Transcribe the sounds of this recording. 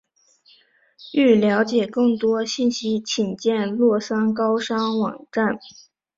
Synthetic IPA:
y˥˩ljɑ˧˥ʊt͡ɕjɛ˨˩kɤ˥˩ŋt̪wɔ˥ɕi˥˩nɕi˥t͡ɕʰi˨˩nt͡ɕjɛ˥˧nlwɔ˥˩sa˥nk̬ɑ˥ʊʂɑ˥ŋwɑ̰˨˩ŋʈ͡ʂa˥˩n

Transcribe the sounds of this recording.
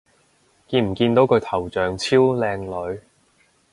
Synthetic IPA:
kiː˧nm̩˨˩kiː˧nt̪o˨˥wkʰɵ˨˧t̪ʰɐ˨˩wt͡ʃœː˨ŋt͡sʰiː˥wlɛː˧ŋlɵ˨˧ɥ

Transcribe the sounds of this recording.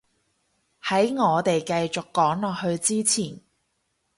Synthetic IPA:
hɐ˨˥jŋɔː˨˧t̪e˨jkɐ˧jt͡sʊ˨kːɔː˨˥ŋlɔː˨k̚hɵ˧ɥt͡siː˥t͡sʰiː˨˩n

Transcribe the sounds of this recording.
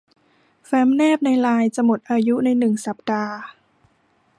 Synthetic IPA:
fɛː˦˥mnɛː˥˩p̚na˧jlaː˧jt͡ɕa˧˩mo˨˩t̪̚ʔaː˧ju˦˥na˧jnɯ˨˩ŋsa˨˩p̚daː˧

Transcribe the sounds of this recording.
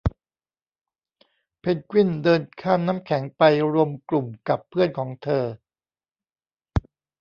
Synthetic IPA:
pʰe˦˧˥t̪̚kwi˥˩ndɤː˧nkʰaː˥˩nːaː˦˥mkʰɛ˩˦ŋpa˧jɾu˧əmklu˨˩mka˨˩pʰːɯ˥˩ənkʰɔː˩˦ŋt̪ʰɤː˧

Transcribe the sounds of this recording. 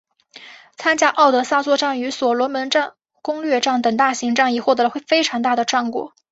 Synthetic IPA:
t͡sʰa˥nt͡ɕja˥ʔɑ˥˩ʊt̪ɤ˧˥sa˥t͡swɔ˥˧ʈ͡ʂa˥˩ŋy˧˥swɔ˨˩lwɔ˧˥mə˧˥nʈ͡ʂɑ˥˧ | kʊ˥ŋlɥɛ˥˧ʈ͡ʂɑ˥˩ŋt̪ə˨˩ŋt̪a˥˩ɕi˧˥ŋʈ͡ʂɑ˥˩ŋjɛ˨˩xwɔ˥˩ɤ˧˥˧xwe˥˩ɪfe˥ɪʈ͡ʂʰɑ˧˥ŋt̪a˥˩d̪ə˩ʈ͡ʂɑ˥˩ŋkwɔ̰˨˩˦

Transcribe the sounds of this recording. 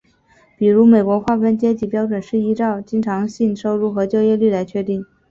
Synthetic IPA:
pi˨˩ɻu˧˥me˨˩ɪkwɔ˧˥xwa˥˩fə˥nt͡ɕjɛ˥t͡ɕi˧˥pjɑ˥ʊʈ͡ʂwə˨˩nʂɻ̩˥˩i˧˥ʈ͡ʂɑ˥˩ʊt͡ɕi˥ŋʈ͡ʂʰɑ˧˥ŋɕi˥˧nʂo˥˧ʊɻu˥˩xɤ˧˥t͡ɕjo˥˧ʊjɛ˥˧ly˥˩la˧˥ɪt͡ɕʰɥɛ˥˧t̪i˥˩ŋ

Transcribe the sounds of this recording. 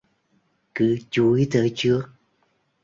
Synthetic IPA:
kɨ˨˦t͡ɕu˧˦i˦t̪ʰəː˧˨˦t͡ɕɨ˦˥ək̚

